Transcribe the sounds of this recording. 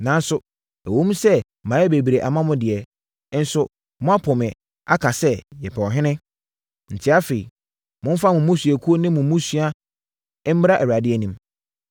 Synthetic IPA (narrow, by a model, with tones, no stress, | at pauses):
nã˨n˦sʊ˨ | æ˨wõ˦m˦sɛ˦ | mã˨˦ɛ˦be˨bi˨ɾe˨ʔa˨mã˦mʊ̃˦dɪ˨ɛ˨˦ | n̩˦sʊ˦ | mʊ̃˦a˦pʰɔ˨mɪ̃˨ | a˦kʰa˨sɛ˦jɛ˨pʰɛ˨ɔ˨ɦɪ̃˦nɪ̃˦ | n̩˨tʰɪ˦a˦fe˨ḭ˨ | mʊ̃˦m̩˦fa˦mʊ̃˨mʊ̃˦sɥæ˨kʰu˦o˦nɪ̃˦mʊ̃˨˦mũ˦su˦a˦ | m̩˦m˦ɾa˦ʔɛ˨ɥa˨dɪ˦ɛ˦˨nĩ˨m